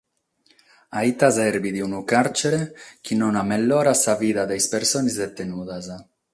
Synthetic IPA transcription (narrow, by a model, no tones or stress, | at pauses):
ait̪azɛɾbid̪iunukaɾt͡ʃeɾek̟ʰinonamelːoːɾasaviːd̪ad̪ejspeɾsoːnizd̪et̪ːenuːd̪az